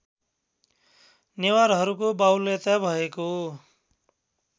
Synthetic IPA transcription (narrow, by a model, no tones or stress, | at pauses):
newaɾɦʌɾukobawlet̪abʱʌeko